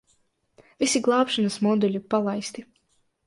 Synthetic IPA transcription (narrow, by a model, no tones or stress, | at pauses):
vʲisiɡlˠɑːpʃanasmɔd̪ulʲipalˠajst̪i